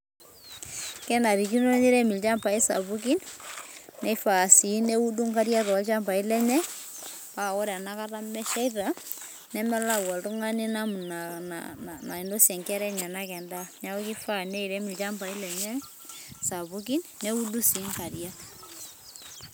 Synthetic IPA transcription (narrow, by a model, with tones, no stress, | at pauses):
kɛ˦nda˨ɾi˨ki˦no˦ni˦ɾɛ˦mi˨lt͡ʃa˦mpa˨i˦sa̰˨βu˦k̬i˦n | nɛ˦i˦fa˨si˨˦ne˦u˦du˦ŋka˦ɾja˦to˨a˦t͡ʃa˦mpa˨i˦lɛ˦ɲɛ˦ | pa˦˨ɣɔ˦ɾɛa˨na˦ka˦ta˦mɛ˦ʃa˦iɾa˦ | nɛ˦mɛ˦la˦wa˨tu˦ŋa˦ni˦na˦mu˨nanna˨i˨ndo˦sjɛ˨ŋkɛ˦ɾɛ˦ɲa˨na˦kɛ˨nda˦ɲa˦o˦ki˦fa˦˨nɛ˦i˨ɾɛ˦mi˨lt͡ʃa˦mpa˨i˦lɛ˨ɲɛ˦ | sa˨βuk̬i˦nnɛ˦u˦du˦si˨˦ŋka˨ɾja˦